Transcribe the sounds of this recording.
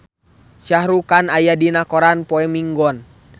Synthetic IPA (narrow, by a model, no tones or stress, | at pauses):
sahɾukanajadinakɔɾanpɔɛmiŋɡɔn